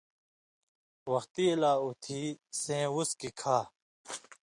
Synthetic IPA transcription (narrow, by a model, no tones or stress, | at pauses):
wʌxt̪ilaːut̪ʰiːsẽːwuskikʰaː